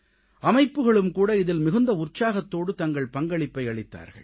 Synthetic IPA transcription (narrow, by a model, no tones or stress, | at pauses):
ɐmɐɪpːɯɣɐɭɯmkuːɽɐɪðɪlmɪɣɯnd̪ɐʊrt͡ʃaːɣɐt̪ːoːɽɯt̪ɐŋɡɐɭpɐŋɡɐɭɪpːɐɪɐɭɪt̪ːa̰ːɾɣɐ̰ɭ